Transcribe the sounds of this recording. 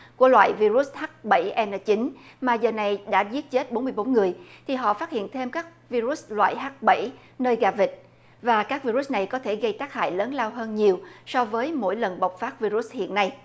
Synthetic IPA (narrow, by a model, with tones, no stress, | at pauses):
ku˧˩əlwa̰ː˧˨jvi˧ɾu˦˥sha˦˥k̚ɓə̰˧˩jʔɛ˧nəː˧˩t͡ɕi˨˦ŋ̟maː˨˩zəː˨˩na˨˩jɗa̰ː˧˥zi˦˥ət̚t͡ɕe˦˥t̚ɓo˨˦nmɨ˧jɓo˨˦nŋɨ˨˩əjt̪ʰi˨˩ɦɔ̰˧˨faː˦˥t̚hḭ˧˨ənt̪ʰe˧mkaː˦˥k̚vi˧ɾu˦˥slwa̰ː˧˨jɦaː˦˥k̚ɓə̰˧˩j | nəː˧jɣaː˨˩vï˨˩k̟̚ | vaː˨˩kaː˦˥k̚vi˧ɾu˦˥s̚na˨˩jkɔ˨˦t̪ʰe˧˩ɣə˧jt̪aː˦˥k̚ha̰ː˧˨jləː˨˦nlaː˧wɦəː˧nɲi˨˩əwsɔ˧vəː˨˦jmo̰˧˥jlə˨˩nɓa˨˩wk͡p̚faː˦˥t̚vi˧ɾu˦˥s̚hḭ˧˨ənːa˧j